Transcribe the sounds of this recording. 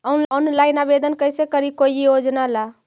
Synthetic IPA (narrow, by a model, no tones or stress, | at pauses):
ɔnɔnlajnabed̪ənkəjsekəɾikojjod͡ʒnala